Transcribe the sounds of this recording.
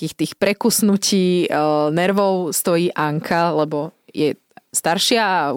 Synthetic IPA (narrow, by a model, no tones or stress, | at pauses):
kixt̪iːxpɾɛkusnuciːnɛɾʋɔʊst̪ɔjiːʔaŋkʰalɛbɔjɛ | st̪aɾʃɪa